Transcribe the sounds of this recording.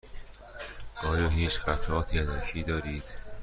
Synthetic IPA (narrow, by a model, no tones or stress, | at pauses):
mɒːjoːɦiːt͡ʃxæt̪ʰɒːt̪ʰiːænækʰiːd̪ɒːɾiːd̪̥